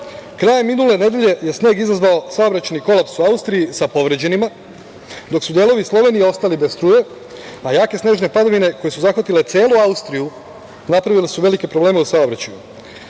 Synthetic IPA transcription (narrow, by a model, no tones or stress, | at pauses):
kɾaːjemːinule̞ne̞d̪je̞ʎe̞je̞sneːɡizazʋaosaobɾat͡ɕaniko̞lapsuaust̪ɾijisapo̞ʋɾe̞d͡ʑe̞nima | d̪o̞ksud̪je̞ːlˠo̞ʋislˠo̞ʋe̞nije̞o̞st̪alibest̪ɾuːje̞ | ajaːke̞sne̞ːʒne̞pad̪aʋine̞ko̞je̞suzaxʋat̪ilet̪se̞ːluaust̪ɾiju | napɾaʋilesuʋe̞like̞pɾoble̞ːme̞usao̞bɾat͡ɕaju